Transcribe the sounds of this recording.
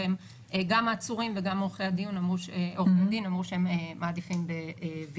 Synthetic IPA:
em | ʔeɡamaːt͡suʁimveɡamoχead̪ijunamʁuʃoʁeadinamʁuʃeememaːd̪ifimbevi

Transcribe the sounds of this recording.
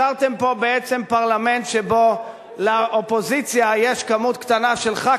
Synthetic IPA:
aʁt̪e̞mpo̞beet͡se̞mpaʁlame̞nt̪ʃebo̞ | leʔopo̞zit͡sjajeʃkamut̪kt̪anaʃe̞lχa

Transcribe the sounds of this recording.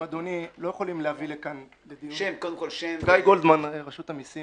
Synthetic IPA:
ad̪onilo̞jeχolimlehavilekan | led̪ijuʃemkod̪emkolʃemɡajɡold̪manʁaʃut̪amisi

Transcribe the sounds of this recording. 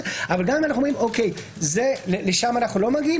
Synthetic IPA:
avalɡamimanaχnumimʔokej | zeleleʃamanaχnulo̞maɡii

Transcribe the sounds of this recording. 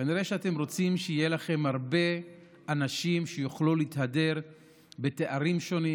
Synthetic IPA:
kaniʁeʃeate̞mʁo̞t͡simʃejelaχe̞mhaʁbe̞ | anaʃimʃejuχluliithade̞ʁ | be̞te̞ʔaʁimʃo̞ni

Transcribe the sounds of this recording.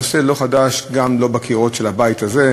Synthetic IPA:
oselo̞χadaʃɡamlo̞bakʰiʁo̞tʃelabajit̪aze̞

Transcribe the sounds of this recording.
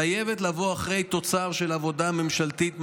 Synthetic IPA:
ajevetlavoaχʁe̞jt̪o̞t͡saʁʃe̞lavo̞dame̞mʃalt̪it̪m

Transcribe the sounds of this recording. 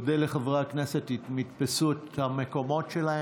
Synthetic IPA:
deleχavʁakneset̪itmit̪pesuetameko̞mo̞tʃelae

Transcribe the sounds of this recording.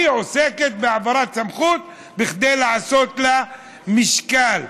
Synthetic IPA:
ʕʊseːkɪt̪̚bɪʕabɑɾˤɑːt̪samxuːt̪̚ | bɪxd̪eːlʕasoːt̪la | mɪʃkaːl

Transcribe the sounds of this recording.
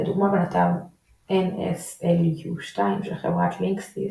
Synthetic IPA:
d̪uɡmabenat̪al | ʔenḛseljuʃtaimʃelχevʁatʰliŋksḭ

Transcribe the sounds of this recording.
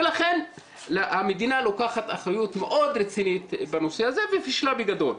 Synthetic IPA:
velaχen | lahamed̪inalo̞kaχat̪aχajut̪meʔo̞d̪ɾet͡sinit̪banosehazevefiʃlabeɡad̪o̞̰l

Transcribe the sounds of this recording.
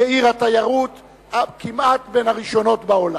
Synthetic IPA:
eiʁhat̪ajaʁut̪ | akimʔat̪be̞nhaʁiʃo̞no̞t̪bao̞la

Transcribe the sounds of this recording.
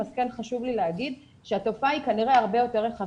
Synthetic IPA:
askenχaʃuvlileaɡid̪ | ʃeat̪o̞faikaniʁe̞aʁbe̞jo̞te̞ʁeχa

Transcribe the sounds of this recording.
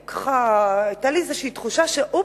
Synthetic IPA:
kʰḁχaet̪aliezeʃeit̪χuʃaʃeʔo

